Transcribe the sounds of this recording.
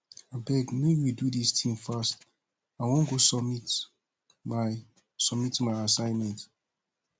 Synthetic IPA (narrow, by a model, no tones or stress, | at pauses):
abɛɡmewidudistʰĩmfast | awɔ̃nɡosɔmit | a | sɔmitmaɪasãɪnmɛ̃nt